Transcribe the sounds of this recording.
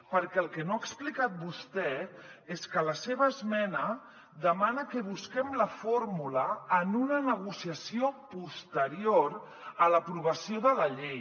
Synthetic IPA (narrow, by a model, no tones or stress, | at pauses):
pəɾkɛəlˠkɛnoaəksplikat̪̚bust̪ɛeskələseβəːzmɛnə | d̪əmanəkəβuskɛmləfoɾmuləːnunənəɣ̞usiəsiopust̪əɾioɾ | ələpɾuβəsioðələʎej